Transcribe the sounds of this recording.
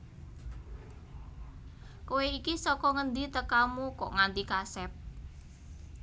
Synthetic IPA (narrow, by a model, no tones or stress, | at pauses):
koweikisɔkɔŋənd̪it̪əkamukɔ̰ʔŋand̪ikasɛp̚